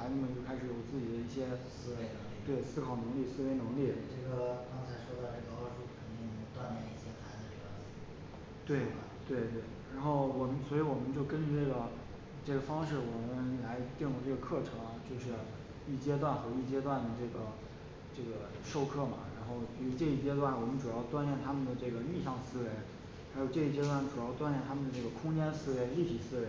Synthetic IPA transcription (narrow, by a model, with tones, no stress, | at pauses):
ɪniə˥˩mə˧˩jo˥˧ʊkʰa˥ɪʂɻ̩˧˥jo˨˩ʊt͡sɹ̩˥˩t͡ɕi˨˩d̪ə˦˥i˥˩ɕjɛ˥ | sɹ̩˥we˧˥˩ɪn˥˧˥ŋ˧t̪we˥˩ɪsɹ̩˥kʰɑ˨˩ʊnɤ˧˥ŋli˥˩sɹ̩˥˧we˧˥ɪnɤ˧˥ŋli˥˩ʈ͡ʂɤ˥˩ɡə˩kɑ˥ŋt͡sʰa˧˥ɪʂwɔ˥d̪ə˧ʈ͡ʂɤ˥˩ɡə˩ɑ˥ʂu˥˩kʰə˨˩nt̪i˥˩ŋ˧t̪wa˥˧nma˥˩i˥˩ɕɛ˥t̪ʰa˧˥˩ | t̪we˥˩ɪ˧˩t̪we˥˩ɪt̪we˥˩ɪɻa˧˥nxo˥˩ʊwɔ˨˩mə˦nswɔ˧˥i˧˥wɔ˨˩mə˦nt͡ɕjo˥˩ʊkə˥nt͡ɕy˥˧ʈ͡ʂɤ˥˩ɡə˩ | ʈ͡ʂɤ˥˩ɡə˩fɑ˥ŋʂɻ̩˥˩wɔ˨˩mə˦nla˧˥ɪt̪i˥˧ŋjʊ˥˧ʈ͡ʂɤ˥˩ɡə˩kʰɤ˥˩ʈ͡ʂʰɤ˧˥ŋɐ˧t͡ɕjo˥˧ʊʂɻ̩˥˩ | i˥˩t͡ɕjɛ˥t̪wa˥˩nxɤ˧˥i˥˩t͡ɕjɛ˥t̪wa˥˩nd̪ə˩ʈ͡ʂɤ˥˩ɡə˩ | ʈ͡ʂɤ˥˩ɡə˩ | ʂo˥˧ʊkʰɤ˥˩mɐ̰˩ɻa˧˥nxo˥˩ʊpi˧˥˩ɻu˧˥ʈ͡ʂɤ˥˧i˥˩t͡ɕjɛ˥t̪wa˥˩nwɔ˨˩mə˦nʈ͡ʂu˨˩jɑ˥˧ʊt̪wa˥˧nljɛ˥˩nt̪ʰa˥mə˨nd̪ə˩ʈ͡ʂɤ˥˩ɡə˩li˥˧ɕɑ˥˩ŋsɹ̩˥we˧˥ɪ | xjo˨˧ʊʈ͡ʂɤ˥˧i˥˩t͡ɕjɛ˥t̪wa˥˩nʈ͡ʂu˨˩jɑ˥˧ʊt̪wa˥˧njɛ˥˩nt̪ʰa˥mə˨nd̪ə˩ʈ͡ʂɤ˥˩ɡə˩kʰʊ˥ŋt͡ɕjɛ˥nsɹ̩˥˧we˧˥˩ɪli˥˩t̪ʰi˨˩sɹ̩˥we˧˥